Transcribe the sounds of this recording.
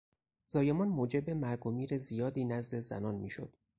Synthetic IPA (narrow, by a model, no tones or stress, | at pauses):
z̥ɒːje̞mɒnmoːd͡ʒe̞be̞mæɾɡomiːɾe̞zijɒːd̪iːnæzd̪e̞zæ̰nɒːnmiːʃo̰d̪̥